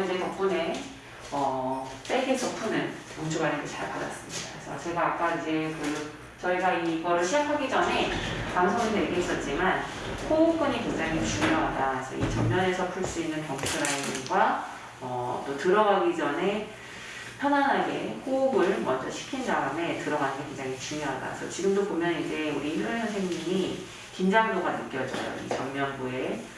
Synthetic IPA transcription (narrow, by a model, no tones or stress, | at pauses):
id͡ʑe̞t͡ɕʌk̚p͈ʰune̞ | ʌp͈eɡet͡ɕʌpʰunɯ̰n | oŋt͡ɕʰuɡaɾeɡet͡ɕa̰ɭpa̰da̰s͈ɯmɲḭda̰kɯɾesʰʌ̰t͡ɕe̞ɡaːk͈aid͡ʑe̞kɯ | t͡ɕʌiɡaiɡʌɾɯɭɕʰid͡ʑakʰaɡid͡ʑʌnɦe̞kamsʰoŋine̞ɭɡeis͈ʌt̚t͡ɕ͈iman | houp͈uɲituŋd͡ʑaŋit͡ɕut͡ɕumʌɦadaid͡ʑḛḭt͡ɕʌmɲʌne̞sʰʌpʰuɭs͈uinːɯnpʌŋt͡ɕʰuɾainɯŋɡwa | ʌ̰t͈otɯɾʌɡaɡid͡ʑʌnɦe̞ | pʰjʌnanɦaɡe̞houbɯɭmʌnd͡ʑʌɕʰi̥kʰindaame̞tɯɾʌɡantʰekeŋd͡ʑaŋit͡ɕuŋjʌɦada̰sʰʌt͡ɕiɡɯmdopomjʌnid͡ʑe̞uɾiçʰʌɭjʌnsʰeŋɲiɲi | kind͡ʑaŋboɡanɯk͈jʌd͡ʑʌ̰jo̰ḭt͡ɕʌŋmjʌnbue̞